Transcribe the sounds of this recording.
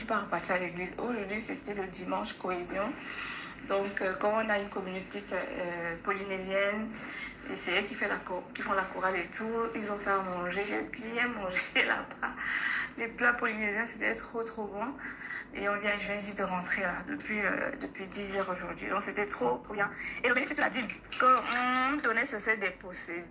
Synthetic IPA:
ipaʁpat̪ialeɡlizoʒuʁd̪ɥiset̪ɛləd̪imɑ̃ʃkoezjɔ̃ | d̪ɔ̃køkɑ̃ɔ̃naynkɔmynot̪ekʲɛpɔlinezjɛn | ḛsɛɛkifɛlakukʲifɔ̃lakuʁalet̪ʰuʁilzɔ̃fɛʁmɑ̃ʒeʒebjɛ̃mɑ̃ʒela̰baleplapɔlinezjɛ̃set̪ɛt̪χot̪χobɔ̃ḛɔ̃vjɛ̃ʒɛ̃ʒid̪əʁɑ̃t̪χelad̪əpɥiø̰d̪əpɥid̪izœʁoʒuʁd̪ɥḭd̪ɔ̃kset̪ɛt̪χobjɛ̃eləkifɛsad̪ikɔɔ̃d̪ɔnɛsəsɛd̪epose

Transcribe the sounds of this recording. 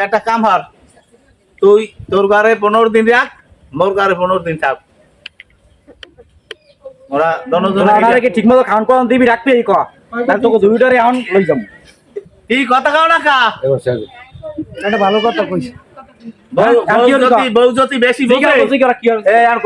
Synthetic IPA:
ɛk̚ʈakamɦɔɾ | t̪ujt̪oɾɡaɾep̬onoɾd̪inɾak̚ | moɾɡaɾepunoɾd̪inʈʰak̚ | moɾad̪ɔnod͡ʒ̪ɔnaɔnaɾekeʈʰik̚mɔt̪ɔkʰankɔɔnd̪ibiɾak̚biejkɔa | t̪at̪okod̪ujuʈaɾeaɦɔnlojd͡ʒɔm | kikɔt̪ʰakawnaka | ɛʈabʱalokɔt̪ʰakojsi | booiɔoɔibowd͡ʒot̪ibeʃibkaeotikɔɾakiɔea

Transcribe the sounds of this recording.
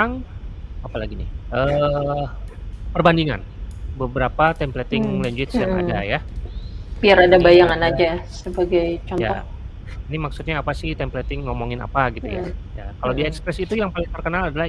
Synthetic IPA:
aŋapalaɡinɪ̰ʔəː | pərbandiŋa̰n | bəbəɾapat̪ɛmplɛt̪ɪŋlɛɲd͡ʒuɪt̪sjaŋa̰daja | piaɾadabajaŋanad͡ʒasəbaɡajt͡ʃɔnja̰ɔ | inimaksut̪̚ɲaːpasɪht̪ɛmplɛt̪ɪŋːomoŋɪna̰paɡit̪uja̰jakalawdiaɛkspɾɛsit̪ujaŋpalɪŋt̪ərkənaladalah

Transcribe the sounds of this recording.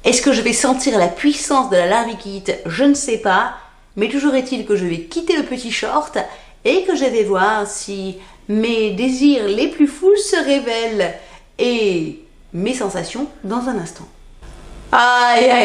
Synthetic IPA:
ɛskəʒəvɛsɑ̃t̪iʁlapɥisɑ̃sd̪əlalaʁikʲit̪ʒənəsɛpa | mɛt̪uʒuʁet̪ilkəʒəvɛkʲit̪eləpət̪iʃɔʁt̪ | ekəʒəvɛvwaʁsi | med̪eziʁleplyfulsəʁevɛl | e | mesɑ̃sasjɔ̃d̪ɑ̃zɛ̃nɛ̃st̪ɑ̃ | aja

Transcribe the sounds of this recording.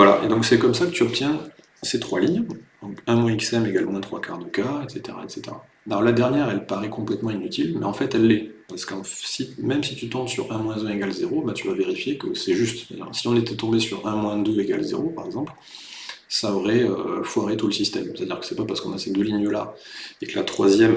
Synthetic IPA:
vwalaʔḛd̪ɔ̃ksɛkɔmsakə̥t̪yɔp̚t̪jɛ̃ | set̪χwaliɲjd̪ɔ̃kɛ̃mwɛ̃iksɛmeɡalmwɛ̃t̪χwakʰa̰ʁd̪əkaɛt̪set̪eʁa̰ɛt̪set̪eʁa̰ | alɔʁlad̪ɛʁnjɛʁɛlpaʁɛkɔ̃plɛt̪mɑ̃inyt̪ilmɛɑ̃fɛt̪ɛlːɛpaʁsə̥kɑ̃simɛmsit̪yt̪ɑ̃t̪syʁɛ̃mwɛ̃zɛ̃eɡalzeʁobɛt̪yvaveʁifjekəsɛʒyst̪st̪a̰d̪ḭʁsiɔ̃net̪ɛt̪ɔ̃besyʁɛ̃mwɛ̃d̪øeɡa̰lzḛʁopaʁɛɡzɑ̃pl | saɔʁɛø̰fwaʁet̪uləsist̪ɛmst̪ad̪iʁkə̥sɛpapaʁsə̥kɔ̃nased̪øliɲəlaeklat̪χwa̰zjɛm

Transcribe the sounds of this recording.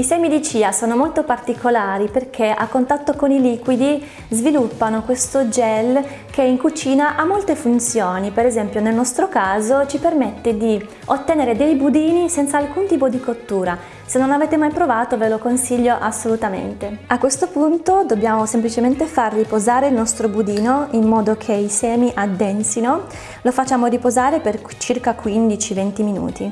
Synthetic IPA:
isɛjmid̪it͡ʃiːasoːnomolt̪opart̪ikʰolaːɾiperkʰea̰kːont̪at̪ːokoniliːkwid̪i | zvilupːanokwest̪od͡ʒɛl | k̟eiŋkut͡ʃiːnaʔamːolt̪efunt̪sjoːnipeɾezɛmpjonelnɔst̪ɾokaːzot͡ʃipermet̪ːed̪i | ot̪ːeneːɾed̪ejbud̪iːnisɛnt̪saːlkunt̪iːpod̪ikot̪ːuːɾa | senːonaveːt̪emajpɾovaːt̪ovelokonsiʎːoʔasːolut̪amḛnt̪eakːwest̪opunt̪od̪obːjaːmosemplit͡ʃement̪efarːipozaːɾeilnɔst̪ɾobud̪iːnoimːɔːd̪okʰeisɛːmiʔad̪ːɛnsino | lofat͡ʃːaːmoripozaːɾeper | t͡ʃirkakwind̪it͡ʃivɛnt̪iminṵːt̪i

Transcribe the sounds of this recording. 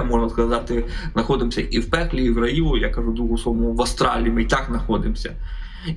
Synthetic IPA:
mɔʒnɐskɐzɑt̪ɪznɐxɔd̪ɪmsʲɐʔiwpɛklʲiːwrɐjiʋʊjakɐʒud̪ɾuɦʊsˠɔʋɔmɔʋɐst̪ɾɑlʲiimɪt̪ɑknɐxɔd̪ɪmsʲɐ

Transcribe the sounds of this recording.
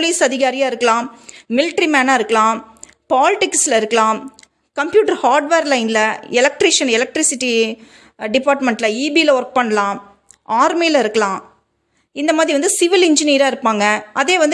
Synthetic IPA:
liːsɐðɪɣaːɾɪjaːɪɾɯkːɐlãːmɪlɪʈɾimaːnaːɪɾɯkːɐlãː | paːlɪʈɪkslɐɪɾɯkːɐlãː | kɐmpjuːʈɐɾhaːɾɖʋeːɾlɐɪnɪlɐɛlɐk̚ʈɾɪʂɐnɛlɐk̚ʈɾɪsɪʈːi | ɖɪpaːɾʈmɛɳʈlɐiːbiːlɐʋɐɾk̚pɐɳːɐlãː | ʔaːɾmiːlɐɪɾɯkːɐlãː | ɪnd̪ɐmaːðɾiʋɐnd̪ɯsɪʋɪlɪɲd͡ʒɪniːɾaːɪɾɯpːaːŋɡɐɐðeːʋɐnd̪

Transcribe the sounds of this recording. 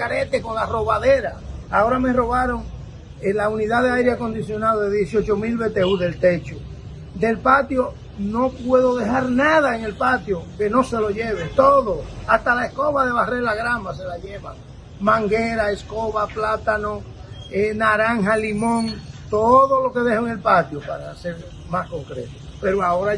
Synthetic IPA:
kaɾe̞t̪eko̞nlaro̞βaðe̞ɾaao̞ɾame̞ro̞βaɾo̞ŋ | elauniðaðeajɾeako̞nd̪isjo̞naoðe̞ðjesjo̞t͡ʃo̞milβe̞t̪esuðe̞lt̪e̞t͡ʃo | d̪e̞lpat̪jo̞ | no̞pwe̞ðo̞ðe̞ɦaɾnaðaeŋe̞lpat̪joke̞no̞se̞lo̞ʝeβet̪oðo̞ast̪alae̞sko̞βaðe̞βarelaɣɾamase̞laʝe̞βa̰ | mãŋɡe̞ɾae̞sko̞βaplat̪ano̞ | enaɾaŋɦalimõ̞ŋt̪oðo̞lo̞ke̞ðe̞hoeŋe̞lpat̪jopaɾase̞ɾ | masko̞ŋkɾe̞̰t̪o | pe̞ɾoaoɾa

